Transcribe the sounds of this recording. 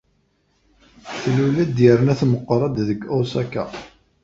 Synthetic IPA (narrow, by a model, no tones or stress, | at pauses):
θlulæd̪jəɾnæθməqːɾˤɑd̪ðəɡosækːæ̰